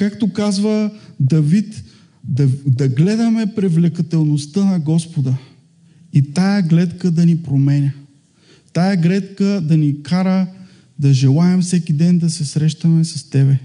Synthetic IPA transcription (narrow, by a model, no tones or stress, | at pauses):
kakt̪okazvəd̪ɐvit̪ | d̪ɐd̪ɐɡlɛd̪ɐmɛpɾɛvlɛkɐt̪ɛlˠnost̪ənɐɡɔspod̪ə | it̪ajɐɡlɛt̪kəd̪ɐnipɾomɛnʲɐ | t̪ajəɡlɛt̪kəd̪ɐnikaɾə | d̪ɐʒɛlˠaɛmfsɛkʲid̪ɛnd̪ɐsɛsɾɛʃt̪ɐmɛsɐst̪ɛbɛ